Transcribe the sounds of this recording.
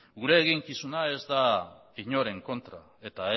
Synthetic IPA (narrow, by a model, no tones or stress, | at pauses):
ɡuɾe̞ːɣiŋkisunae̞zd̪aiɲo̞ɾe̞ŋko̞nt̪ɾa̰ | e̞t̪ae